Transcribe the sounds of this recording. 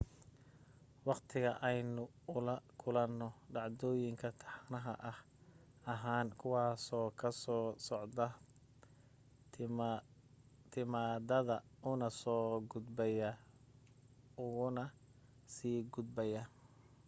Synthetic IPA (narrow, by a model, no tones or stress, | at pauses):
wɑqt̪ʰɪɣɐʔɛjnʊ | ʊlɐkʰʊlɐnːɔɖɑʕd̪ɔːjɪŋkʰɐt̪ʰɑ̥ħnɐɦɐ̰ʔɐh | ɐɦaːnkʰʊwɑːsɔːkʰɐsɔːsɔʕd̪ɐ | t̪ʰɪmaːdɐðɐʊnɐsɔːɡʊd̪bɛjɐ | ʊɣʊnɐ | siːɡʊd̪bɛjɐ